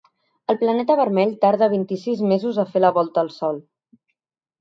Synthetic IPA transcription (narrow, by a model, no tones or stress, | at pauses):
əlˠplənɛt̪əβəɾmɛʎt̪aɾð̞əβint̪isizmezuzəfeləβɔlˠt̪əːlˠsɔlˠ